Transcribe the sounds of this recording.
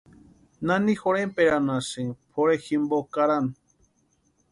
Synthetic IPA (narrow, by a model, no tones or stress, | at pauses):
nãnĩxoɾempeɾanãsɨpʰoɾeximbokaɾan